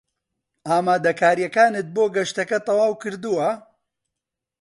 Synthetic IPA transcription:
ʔaːmaːd̪ɐkaːɾijɐkaːnɨt̪̚boːɡɐʃt̪ɐkɐt̪ˤɐwaːwkɨɾd̪uwɐ

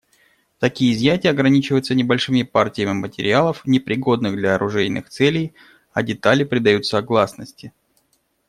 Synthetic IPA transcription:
t̪ɐkʲijəɪzjatʲɪjəɐɡɾɐnʲit͡ɕɪvəjʊt̪sənʲɪbɐlʲʂɨmʲɪpartʲɪjəmʲɪmətʲɪɾʲɪalˠəfnʲɪpɾʲɪɡo̞d̪nɨɣd̪lʲɐɐɾʔʊʐɛjnʔɨ̰xt̪sɛlʲɪj | ɐdʲɪt̪alʲɪpɾʲɪd̪ɐjut̪səɐɐɡlˠasnəsʲtʲɪ

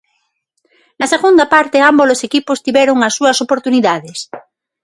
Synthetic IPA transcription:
nɐseɣund̪apaɾt̪eambozlosekipost̪iβjɛɾoŋasːuɐsopoɾt̪uniðaðes

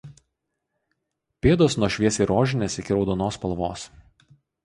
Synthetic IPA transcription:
pʲeːd̪oːsnuɔʃʲʋʲiɛsʲiːɾoːʒʲɪnʲeːsɪkʲɪɾɒʊd̪oːnoːspɐlˠʋoːs

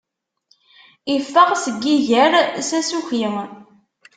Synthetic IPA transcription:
ifːəʁsəɡːiʝəɾsæsuçjəm

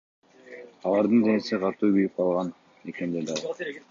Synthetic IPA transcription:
ɑlˠɑɾd̪ɯnd͡ʒ̪enesiqʰɑt̪uːbiɾip̚qʰɑlˠʁɑn | ekend̪eld̪ɑlˠ

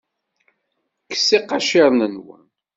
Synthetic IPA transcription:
kə̥sːiqːɑʃɪɾˤnənwə̰n

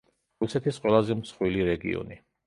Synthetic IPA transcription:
ɾusɛt̪ʰisqʼwɛlˠazɛmsχwiliɾɛɡḭɔ̰ni

